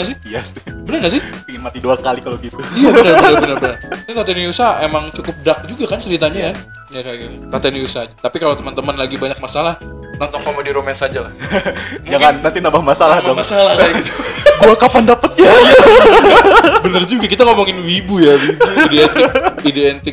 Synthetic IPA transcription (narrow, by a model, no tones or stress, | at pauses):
ŋasɪiasbənərŋas̬ɪpiŋɪnmat̪iduakalikaloɡit̪uijabənərbənərbənərbənərnat̪at̪aniusaʔemaŋt͡ʃukʊp̚dak̚d͡ʒuɡakant͡ʃəɾit̪aɲakan | nakaɡat̪at̪aniusat̪apikalot̪əmant̪əmənlaɡibaɲak̚masalah | nɔnt̪ɔŋkomediɾomɛnsad͡ʒalahmd͡ʒaŋanːant̪inambahmasalahmaɔmasalahait̪ubuakapandapət̪̚jaja | bənərd͡ʒuɡakit̪aŋomuŋɪnwibujawibuideɛnɪk̚ideent̪ɪk̚